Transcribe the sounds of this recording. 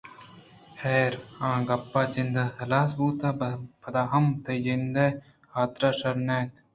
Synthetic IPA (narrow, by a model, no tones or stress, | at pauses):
heːɾãːɡɐpːaːt͡ʃɪnd̪ɐsɐlaːsbuːt̪aːpʰɐd̪aːɦɐmt̪ʰɐjd͡ʒɪnd̪eː | haːt̪ɾaːʃɐɾnẽːt̪ʰ